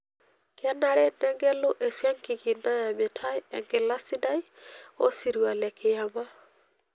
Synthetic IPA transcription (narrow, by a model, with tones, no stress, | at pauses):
kɛ˦na˦ɾɛ˦nɛ˦ŋɡɛ˦lʊ˦ʔe˨sja˦ŋki˨ki˨na˦ja˨mɛ˨tʰa˦jɛ̰˨ŋkɪ˨la˦si˦da˦j | o̰˦si˨ɾi˨wa˨lɛ˨kʰɪ˨ja˨ma˦